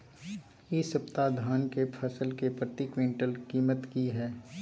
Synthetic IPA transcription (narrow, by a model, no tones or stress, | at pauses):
isəpt̪ad̪ʱaːnkepʰəsəlkepɾət̪ikwɪ̃ɳʈəlkiːmət̪kiɦɛː